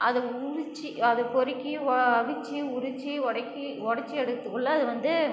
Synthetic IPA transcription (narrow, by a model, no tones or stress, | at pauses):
ɐðɯʊɾɪt͡ʃːiɐðɯpɔɾɪkːiɐɐʋɪt͡ʃːiʊɾʊt͡ʃːiɔɽɐkːi | ɔɽɐt͡ʃːiɛɽɯt̪ːɯkːɯɭːɐɐðɯʋɐnd̪ɯ